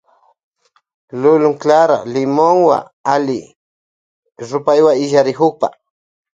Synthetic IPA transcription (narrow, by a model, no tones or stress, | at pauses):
lʊlʊŋklaɾa̰lɪmoŋwa̰ | alɪ | ɾʊpajwaɪʒaɾɪxʊχpa̰